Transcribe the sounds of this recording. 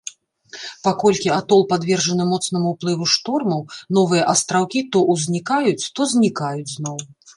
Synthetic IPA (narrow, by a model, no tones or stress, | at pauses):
pakɔlʲkʲiat̪ɔlˠpad̪vʲɛrʐɐnɨmɔt̪sn̪ɐmuːplˠɨvuʂt̪ɔrmɐwnɔvɨjɐʔɐst̪ɾawkʲit̪ɔʔuzʲnʲikajut͡sʲt̪ɔzʲnʲikajud͡zʲznɔw